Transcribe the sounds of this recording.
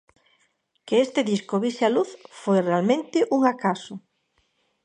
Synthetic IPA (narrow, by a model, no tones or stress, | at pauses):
keest̪ɪðiskoβisjaluθfojrealmẽnt̪ɪʔuŋakasʊ